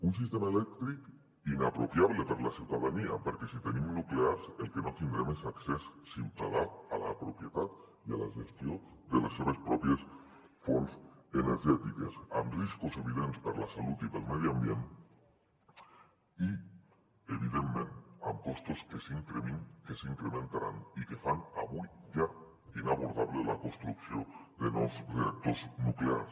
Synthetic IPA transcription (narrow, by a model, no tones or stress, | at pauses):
uns̬ist̪emaelɛk̚t̪ɾik | inapɾopjaβlepeɾlasiwt̪aðania̰peɾkesit̪enimnukleaɾselkenot̪ind̪ɾemesaksesːimp̪ɾaðat̪ala̰pɾopjet̪at̪ | iala̰ʒest̪jo | ðeleseβ̞espɾɔpjes | fonseneɾʒɛt̪ikesa̰mriskose̞βiðenpaɾalasalut̪ipelmeðjoambjent̪e | i | eβiðenmẽnt̪a̰mpo̞st̪oskesiŋkɾemŋkeseiŋkɾemẽ̞nt̪aɾanikefanaβujʝa | inaβo̞ɾðaβlelakonst̪ɾukθjond̪enosret̪oznuklea̰ɾs